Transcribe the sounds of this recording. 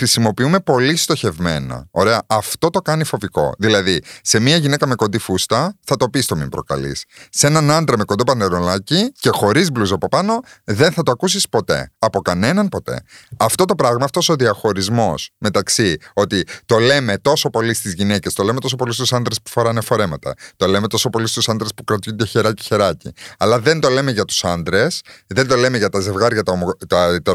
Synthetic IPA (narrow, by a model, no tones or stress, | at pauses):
xɾisimo̞piume̞po̞list̪o̞çe̞vme̞̰nɐ̰o̞ɾe̞ɐʔɐft̪o̞t̪o̞kɐnifo̞viko̞̰ðilɐðise̞miɐʝine̞kɐme̞kond̪ifust̪ɐθɐt̪o̞pist̪o̞mḭmbɾo̞kɐ̰lḭsːe̞nɐnɐnd̪ɾɐme̞ko̞nd̪opɐneɾo̞lɐcice̞xo̞ɾizbluzɐpopɐno̞ðe̞nθɐt̪oɐkusispo̞t̪e̞̰ɐpo̞kɐne̞nɐnpo̞t̪e̞̰ɐft̪o̞t̪o̞pɾɐɣmɐːft̪osoðiɐxo̞ɾizmo̞sme̞t̪ɐksio̞t̪it̪o̞le̞me̞t̪o̞so̞po̞list̪izʝine̞ce̞st̪o̞leme̞t̪o̞so̞po̞list̪usɐnd̪ɾespu̥fo̞ɾɐnefo̞ɾe̞mɐt̪ɐ̰t̪o̞le̞me̞t̪o̞so̞po̞list̪usɐnd̪ɾe̞spukɾɐt̪jund̪eçe̞ɾɐci̥çe̞ɾɐcḭɐlɐðe̞nt̪o̞le̞me̞ʝɐt̪u̥sɐnd̪ɾe̞sðe̞nd̪o̞le̞meʝɐt̪ɐze̞vɣɐɾʝɐt̪ɐomot̪ɐt̪ɐ